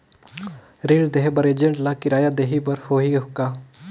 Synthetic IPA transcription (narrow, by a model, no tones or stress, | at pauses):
ɾiːld̪eɦbəɾeːd͡ʒəɳʈlakɪɾaːjaːd̪eːɦibəɾhoːɦiɦʊkːaː